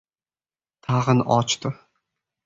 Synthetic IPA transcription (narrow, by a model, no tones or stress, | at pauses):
t̪ʰaʁɨnɒ̰t͡ʃt̪ʊ